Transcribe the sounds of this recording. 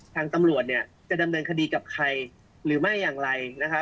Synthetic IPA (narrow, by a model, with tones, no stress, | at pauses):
t̪ʰaː˧ŋt̪a˧mɾu˨˩ət̪̚ni˥˩ɐ | t͡ɕa˨˩da˧mnɤː˧nkʰa˧diː˧ka˨˩p̚kʰa˧j | ɾɯː˩˦ma˥˩jːaː˨˩ŋɾa˧jna˦˥kʰa˦˥